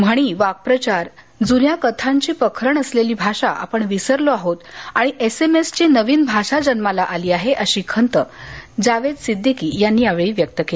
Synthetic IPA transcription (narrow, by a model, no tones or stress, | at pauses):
m̤əɽ̃iːʋak̚pɾət͡ɕaɾ | d͡zunjakət̪ʰaɲt͡ɕiːpəkʰɾəɳəsleliːbʱaɕaʔa̰pəɳʋisəɾloaɦot̪aɽ̃iʔesemest͡ɕiːnəʋiːnbʱaʂad͡ʑənmalaʔaliːaɦeʔəɕiːkʰənt̪əd͡zaʋed̪sid̪ʱːikiːjanːiːjaʋeɭiːʋjək̚t̪əkel